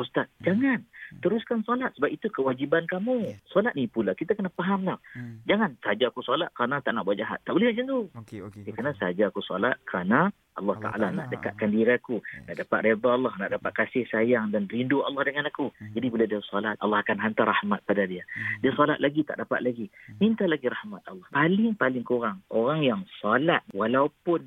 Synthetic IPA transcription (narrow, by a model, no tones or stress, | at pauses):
ust̪at̪̚d͡ʒaŋant̪əɾuskansɔlat̪̚səbap̚it̪ukəwad͡ʒibankamusɔlat̪̚nipulakit̪akənapaɦamlahd͡ʒaŋansəɦad͡ʒaːkusɔlat̪̚kəɾanat̪aʔnaʔbwaʔ̚d͡ʒaɦa̰t̪ːaʔbolɛhwad͡ʒat̪uakanasəad͡ʒaːkusɔla̰t̪̚kəɾana | ʔɑlːɑht̪a̰ʔa̰lana̰ʔdəkaʔ̪̚kandiɾakunaʔdapat̪̚red̪aɑlːɑhnaʔdapat̪̚kasɪhsajaŋdanrinduɑ̰lːɑhdəŋanakud͡ʒadibiladiasɑlat̪̚ʔɑlːɑhakanɦant̪aɾrahmat̪̚padadiadiasɔlat̪̚laɡit̪a̰ʔdapa̰t̪̚laɡimint̪alaɡiɾahmat̪̚ɑlːɑhpalɪŋpalɪŋkuɾaŋoɾaŋjaŋsɔlat̪̚walaupʊn